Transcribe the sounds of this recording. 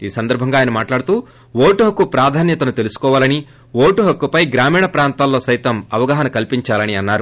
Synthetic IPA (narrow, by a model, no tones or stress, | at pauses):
iːsɐnd̪ɐɾbʱɐŋɡaːjɐnɐmaːʈlaːɽut̪uː | woːʈuɦɐkːupɾaːd̪ʱaːnjɐt̪ɐnut̪e̞lusu̥kɔːʋaːlɐni | ʋoːʈuɦɐkːupɐjɡɾaːmiːɳɐpɾaːnt̪aːlːo̞ːsɐjt̪ɐmɐʋɐɡaːɦɐnɐkɐlpiɲt͡ʃaːlɐniɐnːaːɾu